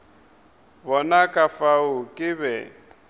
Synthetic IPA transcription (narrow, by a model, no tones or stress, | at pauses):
bɔnakʼafaʊkʼɪβɛ